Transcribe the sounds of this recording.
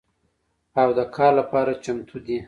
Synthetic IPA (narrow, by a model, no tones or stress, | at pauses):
awd̪əkʰɑɾlapɑɾat͡ʃamt̪ʰud̪i